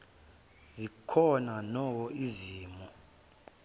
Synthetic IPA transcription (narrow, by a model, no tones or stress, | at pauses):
zikʰɔnanɔwɔiziːmɔ